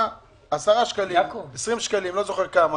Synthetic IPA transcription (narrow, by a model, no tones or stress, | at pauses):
asaʁaʃkaliesʁimʃkalimlozo̞χeʁkama